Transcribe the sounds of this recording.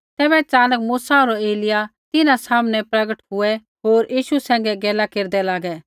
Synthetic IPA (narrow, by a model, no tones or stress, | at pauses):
t̪ɛːbɛt͡ʃaːnəkmuːsaoɾɔeːlɪjat̪ɪnãsaːmnɛpɾɐɡəʈɦʊɛ | ɦoːɾjiːʃusɛ̃ːŋ̆ɡɛɡɛːlakeːɾd̪ɛlaːɡɛ